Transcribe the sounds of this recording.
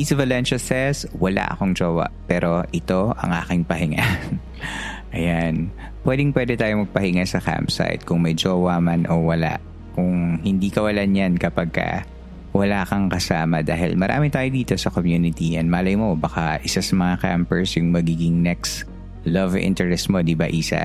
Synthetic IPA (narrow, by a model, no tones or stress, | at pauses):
isvɐlɛnʃɐsɛswɐla̰ʔɐ̰ko̞ŋd͡ʒoːwɐ̰pɛːɾo̞ʔɪt̪o̞ʔɐ̰ŋʔa̰ːkɪŋpɐhɪŋa | ʔɐjan | pwɛd̪ɪŋpwɛd̪ɛt̪aːjomɐɡ̚pɐhɪŋasɐka̰mpsa̰jt̪̚kʊŋmɐjd͡ʒoːwamanʔowɐla̰ʔ | kʊŋhɪnd̪iːkɐwɐlanjankɐpaɡ̚kɐ̰ | wɐlaːkɐŋkɐsaːmɐd̪a̰ːɦɪlmɐɾʔa̰ːmɪt̪aːjod̪iːt̪o̞sɐkomjuːnɪt̪ijanmaːlɐjmo̞bɐkaʔɪsasɐmɐŋaka̰mpɛɹsjʊŋmɐɡiːɡɪŋnɛks | lɐvʔɪ̰nt̪ɛɹɛst̪mo̞d̪ɪbaʔiːsa̰